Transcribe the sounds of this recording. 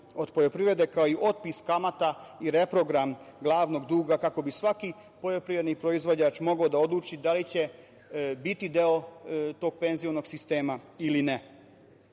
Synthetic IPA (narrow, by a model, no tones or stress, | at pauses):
o̞d̪pojo̞pɾiʋɾe̞d̪e̞kaoiʔo̞t̪̚piskamat̪aiɾe̞pɾo̞ɡɾamɡlˠaːʋno̞ɡd̪uːɡakako̞bisʋaki | po̞jo̞pɾiʋɾed̪nipɾo̞izʋo̞d͡ʑaːt͡ʃmo̞ɡod̪ao̞d̪luːt͡ʃid̪alit͡ɕe̞ | bit̪id̪eot̪o̞ːɡ̚pe̞nzijo̞no̞ɡsist̪e̞ːmailine